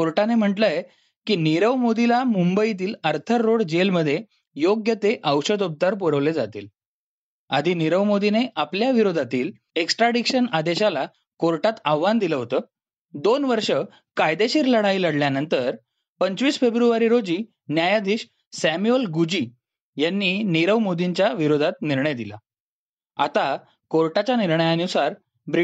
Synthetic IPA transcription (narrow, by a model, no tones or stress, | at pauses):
koɾʈanem̤əʈləje | kiːniɾəʋmod̪ilamumbəit̪̬iːləɾt̪ʰəɾːoɽd͡ʑelməd̪ʱːje | joɡjət̪eʔəwɕəd̪up̚t̪aɾp̬əɽəʋled͡zat̪ḭːl | a̰d̪ʱiːniɾəʋmod̪ineʔapljaʋiɾod̪ʱat̪iːl | eksʈɾaɖikɕənad̪eɕala | koɾʈat̪aʋːand̪iləɦot̪əː | d̪onʋəɾʂə | kajd̪eɕiːɾləɽailəɽljanənt̪əɾ | pəɲt͡ɕʋiːsfebɾuʋaɾiɾod͡ʑiː | njajad̪iːɕ | sæmjuəlɡud͡ʑiː | janːiːniɾəʋmod̪iɲt͡ɕjaʋiɾod̪ʱat̪niɾɳəjd̪ila̰ | a̰t̪a | koɾʈat͡ɕjaniɾɳəjaənusaɾ | bɾ